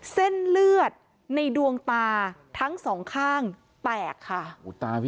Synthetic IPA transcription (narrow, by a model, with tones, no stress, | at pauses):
se˥˩nlɯ˥˩ət̪̚ | na˧jdu˧əŋt̪aː˧t̪ʰa˦˥ŋsɔː˩˦ŋkʰaː˥˩ŋ | t̪ɛː˨˩kʰːa˥˩u˨˩t̪aː˧p